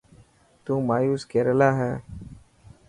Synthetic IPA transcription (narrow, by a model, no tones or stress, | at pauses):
t̪ũːmaːjuːskeːɾəlaːɦɛː